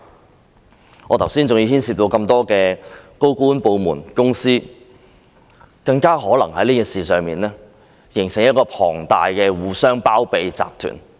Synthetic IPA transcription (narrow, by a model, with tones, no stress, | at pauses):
ɔː˨˧t̪ʰwsiː˥nt͡sʊ˨ŋji˧hiː˥nsi˧p̚t̪o˧wkɐ˧mt̪ɔː˥kɛː˧ko˥wkuː˥npo˨˧wmṵː˨˩nkʊ˥ŋsiː˥ | kɐ˧ŋkaː˥ɦɔː˨˥lɐ˨˩ŋhɐ̰˨˥jniː˥kiː˨˧nsiː˨˧sœː˨˧ŋmiː˨nlɛː˥ | jɪ˨˩ŋsɪ˨˩ŋjɐ˥t̚kɔː˧pʰɔ̰ː˨˩ŋt̪aː˨jkɛː˧wuː˨˧sœː˥ŋpaː˥wpe˨jt͡sa̰ː˧p̚t̪ʰy̰ː˨˩n